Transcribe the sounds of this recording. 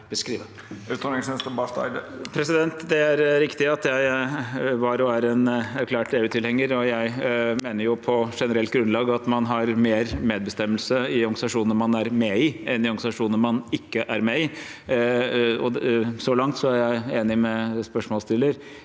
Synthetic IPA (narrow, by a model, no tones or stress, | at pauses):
b̥əskɾiːʋə | ʉːt̪ɔnɪŋsɛnst̪əbɑst̪ɑ̰ɪd̪pʰɾɛsɪd̪ɛnt̪d̪ɛæɾɾɪkt̪ɪɑt̪jæɪ | ʋɑɾɔæɾɛnæɾkʰlæːʈ̪eːʉːt̪ʰɪlhɛŋːəɾɔjæɪmeːnəɾjʊpʰɔʂɛnəɾɛlt̪̚ɡɾʉnlɑːɡɑt̪mɑnɦɑɾmeːɾmeːd̪̚bəst̪ɛmːəlsəɪɔɾɡsɑʂuːnəmɑnæɾmeɪɛnd̪ɪɔɾɡɑsɑʂuːnəmɑnɪkːəʔæɾmeːɪ | ɔsɔlɑŋt̪sɔæɾjæɪeːnɪmɛspœʂmɔːlst̪ɪlːəɾ